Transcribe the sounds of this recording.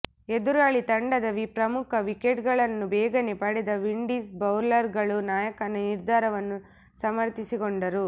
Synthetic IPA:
ed̪uɾaːɭit̪ɐɳɖɐd̪ɐʋipɾɐmukʰɐʋikeʈɡɐɭɐnːubɛːɡɐnepɐɽɛd̪ɐʋiɳɖiːsbɐwɾlɐɾɡɐɭunaːjɐkɐnɐniɾd̪ʱaːɾɐʋɐnːu | sɐmɐɾt̪isikoɳɖɐɾu

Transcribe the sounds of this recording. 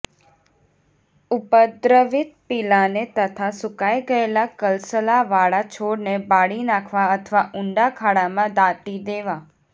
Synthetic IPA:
ʊpəd̪ɾəʋɪt̪̚pɪlanet̪ət̪ʰasʊkaiɡəelakəlsəlaʋaɭat͡ʃʰoɽnebaɽinakʰʋaət̪ʰəʋaʔʊɳɖakʰaɽamãd̪aʈ̪id̪eʋa

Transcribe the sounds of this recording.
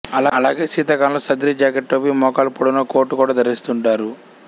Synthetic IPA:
ɐlaːɐlaːɡeːsiːt̪ɐkaːnloːsɐd̪ɾiːd͡ʒaːkeʈʈoːpiːmɔːkaːlpɐɽunɐkoːɾʈːukuːɽaːd̪ɐɾist̪uɳʈaːɾu

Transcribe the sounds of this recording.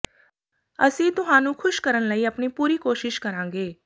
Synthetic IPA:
əsĩːt̪ʊɦãːnũːkʰʊʃkəɾənləiːəpniːpuːɾiːkoːʃɪʃkəɾãːŋɡeː

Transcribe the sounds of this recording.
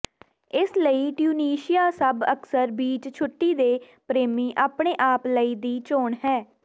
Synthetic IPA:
ɪsləiːʈjuːniːʃɪjaːsəbəksəɾbiːt͡ʃt͡ʃʰʊʈːiːd̪eː | pɾeːmiːʔaːpɽeːʔaːpləiːd̪iːt͡ʃoːɳɦɛː

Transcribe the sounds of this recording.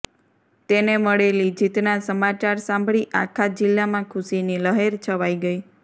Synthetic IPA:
t̪eneməɭelid͡ʒit̪nasəmat͡ʃaɾsãmbʱɭiʔa̰kʰad͡ʒɪlːamãkʰʊsiniləɦeɾt͡ʃʰəʋaiɡəi

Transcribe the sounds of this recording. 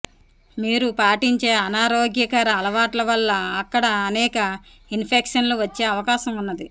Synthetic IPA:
miːɾupaːʈiɲt͡ʃe̞ːɐnaːɾoːɡjɐkɐɾɐːlɐʋaːʈlɐʋɐlːɐːkːɐɽɐːnɛːkɐ | inpʰekʂɐnloːʋɐt͡ʃːe̞ːɐʋɐkaːʃɐmunːɐd̪i

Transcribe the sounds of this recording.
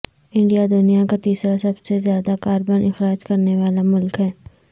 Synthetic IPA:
ɪ̃ɳɖijad̪ʊnijakat̪iːsɾasɐbsezjaːd̪akaːɾbənɪxɾaːd͡ʒkɐɾneʋaːlamʊlkɦɛː

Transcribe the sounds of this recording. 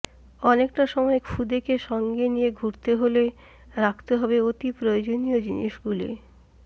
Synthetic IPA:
ɔnek̚ʈaʃɔmɔekfud̪ekeʃɔŋɡenijeɡʱuɾt̪eɦole | ɾakʰt̪eɦɔbeot̪ipɾojod͡ʑoniod͡ʑinḭʃɡulḛ

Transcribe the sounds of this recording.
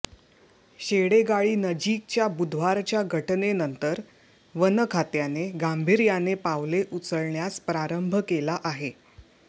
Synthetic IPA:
ɕeɽeɡaɭiːnəd͡ʑiːk̚t͡ɕjabud̪ʱʋaɾt͡ɕjaɡʱəʈnenənt̪əɾ | ʋənəkʰat̪janeɡambʱiɾjanepaʋleʔut͡səɭɳjaspɾaɾəmbʱkelaʔaɦe

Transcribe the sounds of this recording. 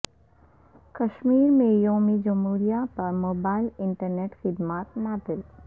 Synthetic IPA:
kɐʃmiːɾmẽjoːmid͡ʒɐmɦuːɾijapɐɾmoːbaːɪlɪ̃ɳʈəɾneːʈxɪd̪maːt̪maːd̪ɪl

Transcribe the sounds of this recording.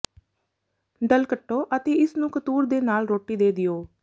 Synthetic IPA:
ɖəlkəʈːoːʔət̪eːɪsnũːkət̪uːɾd̪eːnaːlɾoːʈːiːd̪eːd̪ɪjoː

